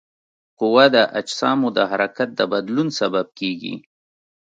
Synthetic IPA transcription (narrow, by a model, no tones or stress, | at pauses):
qʊwad̪əʔad͡ʒsɑmud̪əɦaɾakat̪̚d̪əbad̪lunsabab̚keɡḭ